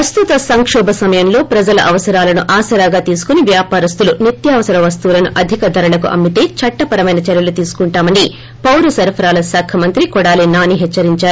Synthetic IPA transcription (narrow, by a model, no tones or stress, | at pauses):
pɾɐst̪ut̪ɐsɐŋkʂɔːbʱɐsɐmɐjɐmlo̞ːpɾɐd͡ʒɐlɐ̰ʔɐʋɐsɐɾaːlɐnuʔaːsɐɾaːɡaːt̪iːsu̥kuniʋjaːpaːɾɐst̪ulunit̪jaːʋɐsɐɾɐʋɐst̪ulɐnuʔɐd̪ʱikɐd̪ʱɐɾɐlɐkṵʔɐ̰mbit̪e̞ːt͡ʃɐʈːɐpɐɾɐmɐjnɐt͡ʃɛɾjɐlut̪iːsu̥kuɳʈaːmɐni | pɐwɾusɐɾpʰɐɾaːlɐsaːkʰɐmɐnt̪ɾikɔɽaːliːnaːniɦɛt͡ʃːɐɾiɲt͡ʃaːɾu